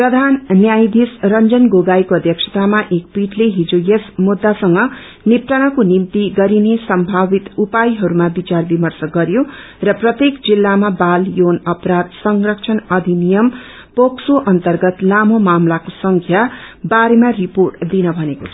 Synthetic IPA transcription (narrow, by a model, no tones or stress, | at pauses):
prʌd̪ʱannjajd̪ʱisrʌnd͡zʌnɡoɡajkoʌd̪ʱjʌksʰʌ̥t̪amaʔek̚piʈleɦid͡zojesmud̪ːasʌŋɡʌ | nip̚ʈ̪anakonimt̪iɡʌɾinesʌmbʱabit̪upajɦʌɾumabit͡sarbimʌrsʌɡʌɾjo | rʌprʌt̪jekd͡zilːamabaljonʌpɾad̪sʌŋrʌkt͡sʰʌnʌd̪ʱinijʌm | poksoʔʌnt̪ʌrɡʌt̪lamomamlakosʌŋkʰja | baɾemariporʈd̪inʌbʱʌnekot͡sʰʌ